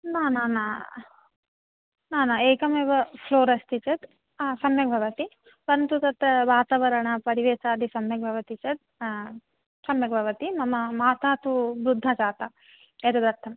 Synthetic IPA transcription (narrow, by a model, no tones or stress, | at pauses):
naːnaːna | naːnɐeːkɐmeːʋɐpʰloːɾɐst̪it͡ʃɐd̪ | sɐmjɐbʱɐʋɐt̪i | ʋɐnt̪ut̪ɐt̪ːɐʋaːt̪aʋɐɾɐɳɐpɐɾiʋeːsaːd̪ʱisɐmjɐɡ̚bʱɐʋɐt̪it͡ʃɐt̪̚ | sɐmjɐɡbʱɐʋɐt̪imɐmɐmaːt̪aːt̪ubɾud̪ʱːɐt͡ʃaːt̪ɐ | ed̪ɐd̪ɐɾt̪ʰːɐm